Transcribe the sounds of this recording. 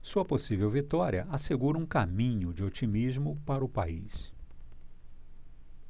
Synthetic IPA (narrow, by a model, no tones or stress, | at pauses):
suɐposivewvit̪ɔɾiɐʔaseɡuɾɐũkamĩɲʊd͡ʒɪot͡ʃimizmʊpaɾɐʊpais